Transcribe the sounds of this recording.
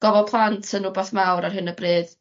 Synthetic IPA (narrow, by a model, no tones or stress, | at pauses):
ɡ̥ɔvɔpʰlˠantʰənʊbaθmawɾarɦhɨnəbrɨːð